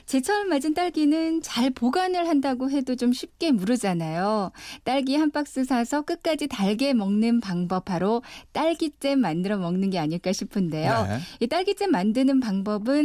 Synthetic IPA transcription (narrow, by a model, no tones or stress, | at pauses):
t͡ɕe̞t͡ɕʰʌmad͡ʑint͈aɭɡinɯnt͡ɕaɭpoɡanɯɭhandaɡoɦe̞dot͡ɕomɕʰip̚k͈e̞muɾɯd͡ʑanajot͈aɭɡihanp͈ak̚s͈ɯsʰasʰʌk͈ɯk̚k͈ad͡ʑitaɭɡe̞mʌŋnɯnpaŋbʌp̚ʰaɾot͈aɭɡit͡ɕ͈e̞mːandɯɾʌmʌŋnɯnɡe̞aɲiɭk͈aɕʰipʰɯnde̞joit͈aɭɡit͡ɕ͈e̞mːandɯnɯnpaŋbʌbɯn